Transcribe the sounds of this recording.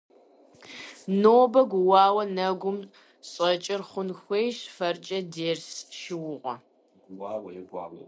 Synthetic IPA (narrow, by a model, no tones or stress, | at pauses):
noːbɐɡʷʊwɑːwɐnɐɡʷʊm | ɕʼɐt͡ʃʼɪrχʷʊnxʷejʃfɐrt͡ʃʼɐdeːrsʃɪwʊʁʷɔ̰ | ɡʊwaːwɐɡʷɑ̰ːwɐ